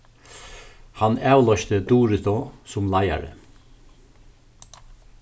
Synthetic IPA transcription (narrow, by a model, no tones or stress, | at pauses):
hanaːwlɔʃt̪əd̪uːɾɪt̪ɔsʊmlaja̰ɾə̰